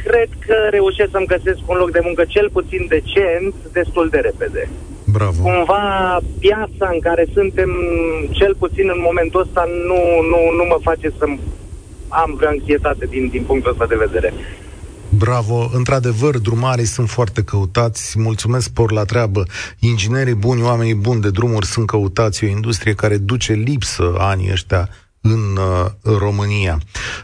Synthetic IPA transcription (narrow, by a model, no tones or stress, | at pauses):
kɾe̞d̪kʰəɾe̞uʃessəmɡəse̞skunlok̚d̪e̞muŋkət͡ʃe̞lput̪sind̪e̞t͡ʃe̞nt̪d̪e̞st̪uld̪e̞ɾe̞pe̞d̪e̞̰ | bɾavokumvapjat̪saɨŋkaɾe̞sɨnt̪e̞mt͡ʃe̞lput̪sinɨnmo̞me̞nt̪uəst̪anununuməfat͡ʃesəm | amvɾooaŋksie̞t̪at̪e̞d̪ind̪inpuŋk̚t̪uəst̪ad̪e̞ve̞d̪eɾe̞ | bɾavo̞ɨnt̪ɾad̪e̞vərd̪ɾumaɾisunt̪foart̪e̞kəut̪at̪sʲmult̪sume̞sk̚porlat̪ɾeabəind͡ʒine̞ɾibunʲowame̞nibunʲd̪e̞d̪ɾumurʲsunt̪̚kʰəut̪at̪sʲo̞ind̪ust̪ɾijekaɾe̞d̪ut͡ʃe̞lipsəanḭə̰ʃt̪ʲja | ɨn | ro̞mɨnija